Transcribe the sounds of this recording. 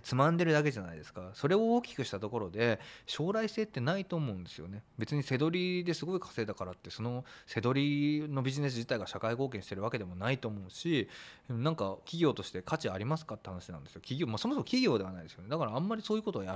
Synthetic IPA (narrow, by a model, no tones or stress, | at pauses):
t͡sɨmãnd̪e̞ɾɯd̪ak̬e̞ʑana̰id̪e̞sɨ̥kaso̞ɾe̞o̞oːkʲi̥kɯ̟ɕi̥t̪at̪o̞ko̞ɾo̞d̪e̞ɕo̞ːɾaisse̞ːt̪ːe̞nait̪o̞ːmo̞ɯ̟̃nd̪esɨjo̞̰ne̞be̞t͡sɨɲ̟ise̞d̪o̞ɾʲid̪e̞sɨɡo̞ikʰḁse̞ːd̪akaɾat̪ːe̞so̞no̞se̞d̪o̞ɾʲino̞bʲiʑine̞s̬ɨʑi̥t̪aiɡaɕakaiko̞ːk̬ẽ̞ɕit̪e̞ɾɯβake̞d̪e̞mo̞nait̪o̞ːmo̞ɯ̟ɕinãŋkakʲiɡʲo̞ːt̪o̞ɕi̥t̪e̞kʰat͡ɕiaɾʲimasɨ̥kat̪ːe̞hanaɕinã̰nd̪e̞sɨjo̞kʲiɡʲo̞ːmaso̞mo̞s̬omokʲiɡʲo̞ːd̪e̞anaid̪e̞sɨjoned̪akaɾãːmːaɾʲiso̞ːjiɯ̟ko̞t̪o̞ːja